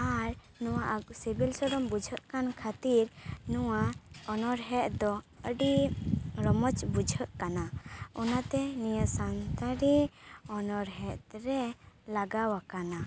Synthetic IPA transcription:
aɾ | nɔwaʔaksebilsɔɽɔmbud͡ʒʱəʔkankʰat̪iɾnɔwaɔnɔɾɦɛʔd̪ɔ | əɖi | ɾɔmɔt͡ʃbud͡ʒʱəʔkanaɔnat̪ɛnijəʔsant̪aɾiɔnɔɾɦɛʔɾɛlaɡawakana

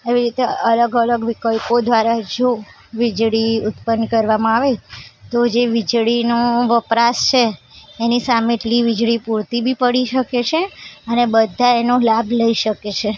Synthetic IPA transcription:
aʋiɾit̪eələɡələɡʋikəjkod̪ʋaɾad͡ʒo | ʋid͡ʒɭiʊt̪pənkəɾʋamãaʋet̪od͡ʒeʋɪd͡ʒɭinoʋəpɾast͡ʃʰeːnisameʈliʋɪd͡ʒɭipuɾt̪ibʱipəɽiʃəket͡ʃʰeənebəd̪ʱaenolabʱləiʃəket͡ʃʰe

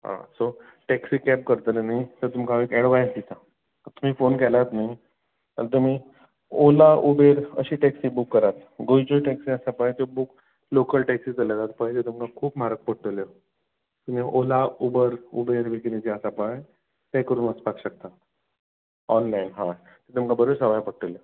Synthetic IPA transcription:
ɦã̰so | ʈɛksiːkɛp̚kəɾt̪lenajt̪əɾt̪umkãekɛɽʋajsd̪it̪a | t̪ət̪um̤iːfonkɛlat̪naj | t̪ə̰ɾt̪̬um̤iː | olaʔubeɾə̰ɕiːʈɛksiːbukːəɾat̪ɡojid͡ʑoʈɛksiəsapajt̪jobuk | lokəlʈɛksiːd͡zəlat̪at̪̚pəɦilet̪umkakʰuːpm̤aɾək̚pəɽʈəljə | t̪um̤ĩʔolaubəɾṵbeɾʋekined͡ʑeəsapa | t̪ɛ̃kəɾuːnəspakɕək̚t̪a | ɔnlainɦã | t̪et̪umkabəɾoɾsəʋajpəɽʈəljə

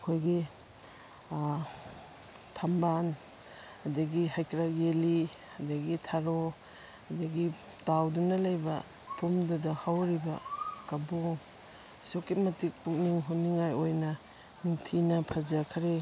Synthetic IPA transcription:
kʰojɡi | tʰamban | ɐdɐɡihajkɾaɡeli | ɐdɐɡitʰaɾo | ɐdɐɡi | tawdunɐlɐjbɐ̰ | pʰumdudɐhawɾibɐ̰kɐboŋ | soketmɐtik̚puk̚niŋɦuniŋajojnɐ | niŋtʰinɐpʰɐzakʰɐɾe

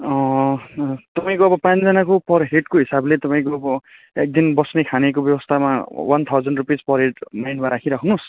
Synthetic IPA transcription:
ʌ̃ | t̪ʌpaĩkoʌbʌpãt͡sd͡zʌnakopʌrɦeʈkoɦisablet̪ʌpaĩkoʌbʌ | ek̚d̪inbʌsnekʰanekobjʌbwʌst̪ʰamawʔant̪ʰawd͡zʌɳɖrupid͡zpʌrɦeʈmajnmaɾakʰiɾʌkʰunus

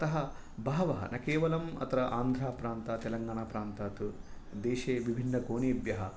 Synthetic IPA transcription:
ɐt̪ɐɦɐ | bʱaːʋɐɦɐ̰nɐkeːʋɐlɐmɐ̰t̪ɐɾɐʔaːnd̪ʱɾaːpɾaːnt̪aːt̪ɛlɐŋɡaːɳaːpɾaːnt̪aːt̪ud̪eːʃeːʋibʱinːɐkoːɳiːɐbjɐɦɐ

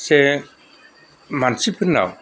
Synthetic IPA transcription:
sɛ | mansipʰɯna̰w

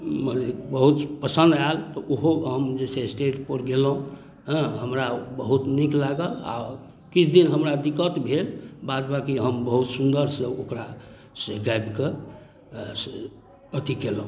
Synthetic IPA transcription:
məɾebəɦut̪pəsə̃nd̪alt̪ɔʔoɦoɦəmd͡ʒesesʈeʈpəɾɡelɦũ | ɦə̃ɦəmɾabəɦut̪niklaɡəla̰ | kit͡ʃʰd̪inɦəmɾad̪ikət̪bʱelbad͡ʒbakiɦəmbəɦut̪sund̪əɾsə̃okɾa | seɡajbke | ət̪ikelɦũ

